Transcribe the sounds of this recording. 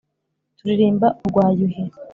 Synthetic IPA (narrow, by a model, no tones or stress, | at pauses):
tuɾiɾeːmbauɾɡwaːjuɦe